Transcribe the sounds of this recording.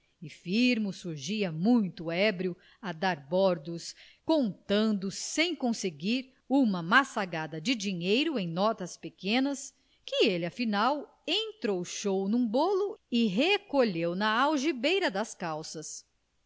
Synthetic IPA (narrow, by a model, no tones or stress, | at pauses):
ɪfiɾmʊsuɾʒiɐmũj̃t̪ʊɛbɾiʊ | ɐd̪aɾbɔɾd̪ʊs | kõnt̪ɐ̃nd̪ʊsẽj̃kõseɡiɾ | ũmɐmasaɡad̪ɐd͡ʒɪd͡ʒiɲejɾʊẽj̃nɔt̪ɐspekẽnɐs | kɪelɪɐfinaw | ẽnt̪ɾowʃownũboluɪɦekoʎewnɐawʒibejɾɐd̪ɐskawsɐs